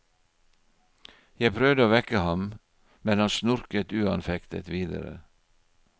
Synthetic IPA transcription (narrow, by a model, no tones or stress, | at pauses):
jæɪpʰɾœʋd̪əoːʋɛkəhɑm | mɛnhɑnsnʊɾkət̪ʉːɑnfɛkt̪ə̰t̪ʋiːd̪ə̰ɾə̰